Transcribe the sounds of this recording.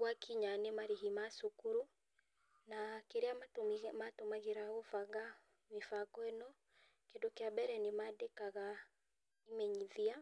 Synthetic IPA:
wakiɲanemaɾeɦimasokuɾu | nakeɾeamamatomaɣeɾaɣofaɣa | mefakɔɛnɔ | kedokeabɛɾɛnemadekaɣa | imɛɲiðia

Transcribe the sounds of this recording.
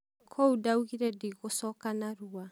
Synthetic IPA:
kʰoudauɣiɾɛdiɣosɔkanaɾua

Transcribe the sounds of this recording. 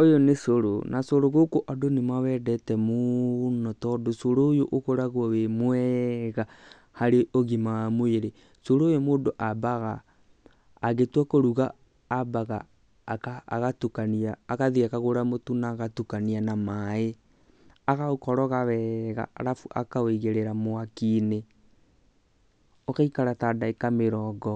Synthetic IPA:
ojonesoɾo̰nʔasoɾoɣokoʔadonemawɛdɛtɛmonɔtɔdosoɾojoʔoɣoɾaɣwɔwemwɛɣa | haɾeʔoɣimamweɾe | soɾoːjomoːdoʔabaɣaː | ɣetwakoɾuɣaː | baɣa | kaːɣatukaniaːɣaðiakaɣoɾamotunaɣatukanianamae | aɣaokɔɾɔɣaβɛɣa̰ɾafuʔa̰kaoiɣeɾeɾamoakine | ɔkaikaɾatadaekameɾɔːɡɔ

